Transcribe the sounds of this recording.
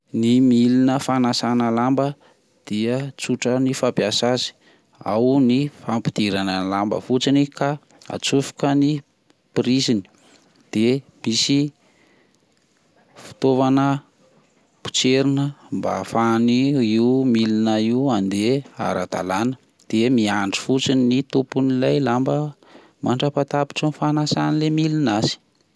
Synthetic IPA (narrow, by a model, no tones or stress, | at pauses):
nimilinəfanasanəlambə | d̪̥iət͡suʈ͡ʂənifapjasazi̥ | a̰wnifampid̪̥iɾanəlambə̰fut͡sinika | a̰t͡sufu̥kəni | piɾizini̥ | d̪̥emisi | fi̥t̪ovanə | pu̥t͡seɾinəmba̰faniiumilinəiuand̪ea̰ɾa̰d̪a̰lanə̥ | d̪̥emiaɳɖ͡ʐi̥fut͡sinnit̪upunilajlambə | mʔaɳɖ͡ʐapat̪api̥ʈ͡ʂənifanasanilemilinazi̥